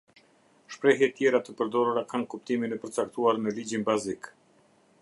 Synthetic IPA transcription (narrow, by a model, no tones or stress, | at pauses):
ʃpɾɛɦɛt̪jɛɾat̪əpəɾd̪ɔɾuɾakankup̚t̪iminɛpəɾt͡sak̚t̪uaɾnəlid͡ʑinbazik